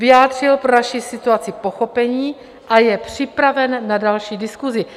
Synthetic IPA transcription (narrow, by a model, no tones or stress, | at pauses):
vɪjaːd̪r̝ɪlpɾonaʃiːsɪt̪uat͡sɪpo̞xo̞pɛɲiː | ʔajɛpr̝̥ɪpɾavɛnːadalʃiːdɪskuzɪ